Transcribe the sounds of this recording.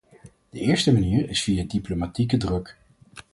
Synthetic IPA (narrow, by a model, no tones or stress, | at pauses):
d̥əɪːɹstəmaniːɹɪsfijadiplomatikədrɵk